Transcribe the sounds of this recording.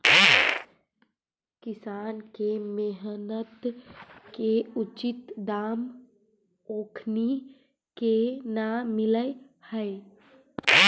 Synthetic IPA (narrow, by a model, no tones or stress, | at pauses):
kɪsaːnkemeɦnət̪keʊt͡ʃɪt̪d̪aːm | oːkʰni | kenamɪləe | həe